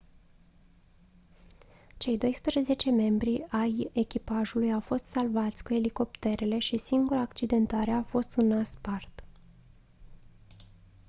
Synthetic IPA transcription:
t͡ʃe̞jd̪o̞jspɾeeze̞t͡ʃe̞me̞mbɾiaje̞kʲipaʒulujawfo̞st̪salvat̪sʲkue̞liko̞pt̪e̞ɾe̞le̞ʃisiŋɡuɾaːkt͡ʃid̪e̞nt̪aɾe̞afo̞st̪unaspart̪

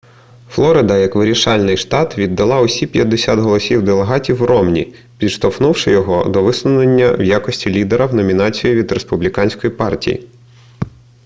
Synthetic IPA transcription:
flˠɔɾɪd̪ɐjɐkʋɪɾʲiʃɑlʲnɪjʃt̪ɑt̪ʋʲid̪ːɐlˠɑʊsʲipʲjɐd̪ːesʲat̪ɦɔlˠɔsʲiwd̪elˠeɦɑtʲiwrɔmnʲḭ | pʲid̪ʃt̪ɔfnuwʃɪjɔɦɔ̰d̪ɔʋɪslˠʊnenʲːɐwjakɔsʲtʲilʲid̪eɾɐwnɔmʲinɑt͡sʲijiʋʲid̪ɾespublʲikɑnʲsʲkɔjipɑrtʲḭjḭ

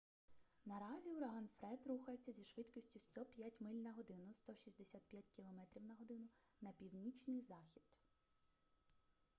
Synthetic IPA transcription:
nɐɾɑzʲiuɾɐɦɑnfɾɛd̪ɾuxɐjet͡sʲːɐzʲiʃʋɪt̪kɔsʲtʲʊst̪ɔpʲjatʲmɪlʲnɐɦɔd̪ɪnʊst̪ɔʃizʲd̪esʲat̪̚pʲjatʲkʲilˠɔmɛt̪ɾʲiwnɐɦɔd̪ɪnʊnɐpʲiwnʲit͡ʃnɪjzɑxʲid̪̥

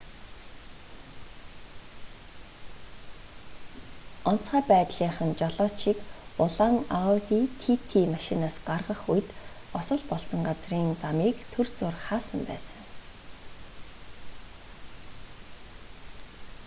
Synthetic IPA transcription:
ɔn̥t͡sχæːpæːt̪ɮiːɴχə̆nt͡ɕɔɮɔːʃikʊɮaŋatiːt̪ʰit̪ʰimaʃinaːsɢarʁə̆χujt̪ | ɔsɞ̆ɮpɔɮsɞ̆ŋɢat͡sriːnt͡samiːkt̪ʰɵrt͡sʊːrχaːsə̆mpæ̰ːsə̥̆ŋ

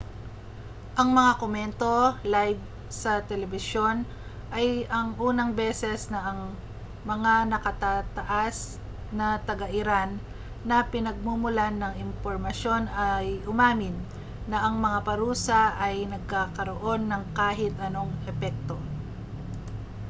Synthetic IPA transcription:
ʔɐŋmɐŋakomɛnt̪o̞lajv | sɐt̪ɛlɛbɪʃjo̞n | ʔɐjɐŋʔuːnɐŋbɛːsɛsnɐʔɐŋ | mɐŋanɐkɐt̪at̪ɐʔas | nɐt̪ɐɡɐʔɪɾanː | ɐpɪnɐɡ̚mumʊlanːɐŋɪmpoɾmɐsjo̞nɐjʔʊmaːmɪnː | ɐʔɐŋmɐŋapɐɾuːsɐʔɐjnɐɡ̚kaːkɐɾoʔo̞nːɐŋkaːɦɪt̪ʔɐno̞ŋʔɛpɛk̚t̪o̞

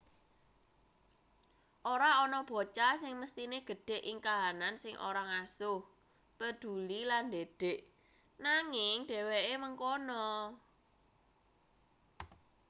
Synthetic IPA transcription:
ʔoɾaɔnɔb̥o̤t͡ʃasɪŋməst̪ineɡ̥ə̤ɖ̥e̤ʔiŋkaɦanansɪŋʔo̰ɾaŋasʊh | pəd̪̥ṳliland̪eɖ̥e̤ʔ | naŋɪŋɖ̥ɛ̤weʔeməŋkonɔ

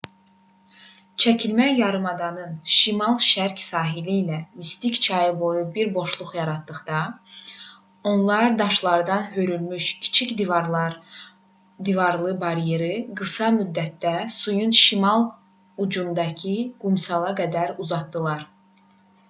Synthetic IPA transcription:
t͡ʃʰæcʰilmæjɑɾɯmɑd̪ɑnɯnʃimɑlˠʃæɾcsɑːɦiliːlæmist̪ict͡ʃʰɑjɯbo̞jubiɾbo̞ʃlˠuχjɑɾɑt̪̚ːɯχd̪ɑ | o̞nlˠɑɾd̪ɑʃlˠɑɾd̪ɑnɦøɾylmyʃcʰi̥t͡ʃʰicd̪ | d̪ivɑɾlˠɯbɑɾjeɾiɡɯsɑmyd̪ːæt̪̚d̪æsujunʃimɑlˠ | ud͡ʒund̪ɑcʰiɡ̥umsɑlˠɑɡæd̪æɾuzɑt̪d̪ɯlˠɑɾ

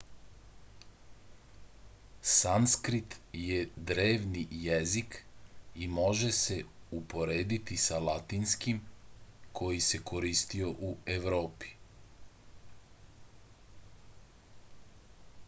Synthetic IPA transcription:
sanskɾit̪jed̪ɾeːʋnijezikimo̞ʒese̞upo̞ɾeːd̪it̪isalat̪inskim | kʰo̞jise̞kʰo̞ɾist̪io̞ʔue̞ʋɾo̞ːpi̥

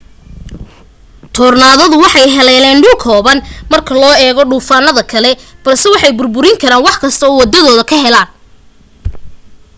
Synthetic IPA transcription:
t̪ʰɔːrnaːðɐðʊwɑħɑjɦɛlɛːlɛːnɖʊlkʰɔːβɐnmɐrkʰɐlɔːɛːɣɔɖuːfaːnɐðɐkʰɐlɛb̥ɐlsɛwɑħɑjbʊrbʊɾɪŋkʰɐɾaːnwɑħkʰɐst̪ʰɐɔwɑd̪ɐðɔːðɐkʰɐɦɛlaːn

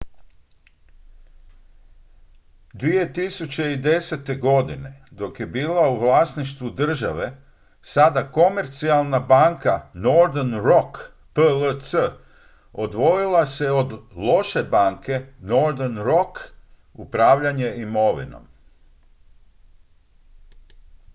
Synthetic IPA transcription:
d̪ʋije̞t̪isut͡ɕe̞id̪e̞set̪e̞ɡo̞d̪ined̪o̞kje̞biːlauʋlˠaːsniʃt̪ʋud̪r̩ʒaʋe̞ | sad̪ako̞me̞ɾt̪sialˠnabaːŋkanoɾd̪enɾo̞k | pələsə | od̪ʋo̞jilˠase̞o̞d̪lˠo̞ʃe̞baːŋke̞no̞ɾd̪enɾo̞k | upɾaːʋʎaɲe̞imo̞ʋḭno̰m

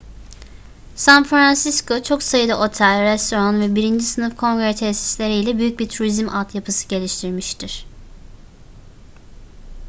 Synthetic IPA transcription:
sænfɾansiskʰo̞t͡ʃʰo̞ksajɯd̪aʔo̞t̪ʰælʲɾɛst̪ʰo̞ɾonvɛbiɾind͡ʒisɯnɯfkʰo̞ŋɡɾet̪ʰɛsi̥slʲe̞ɾiilʲɛbyjyc̚biɾt̪ʰuɾizimʔat̪ʰjapʰɯsɯ̥ɟe̞lʲiʃt̪ʰiɾmiʃt̪ʰiɾ̥

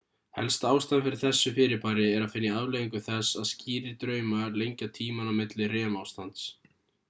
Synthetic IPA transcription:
hɛ̰lst̪aːwst̪anfɪɾɪɾ̥θɛsːʏfɪːɾɪpaːɾɪɛɾaðfɪnjaaðlɛjiŋkʏθɛsːaðsciːɾɪɾt̪ɾœːɥmalejɲcat̪ʰiːmanawmɪt̪lɪrɛːmawst̪ant̪s

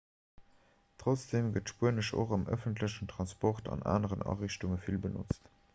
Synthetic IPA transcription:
tʁ̥ot͡sd̥eːmɡətʃpuənəʃo̰χɑmʔœfəntləɕəntʁɑnspɔχtɑ̰nʔa̰ːnəʁənʔɑ̰ʁiɕtuŋəfilbənɔ̰t͡st

